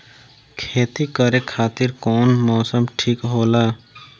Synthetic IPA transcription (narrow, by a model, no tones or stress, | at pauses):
kʰeːt̪ikəɾekʰaːt̪ɪɾkɔːnmɔːsəmʈʰiːkɦoːlaː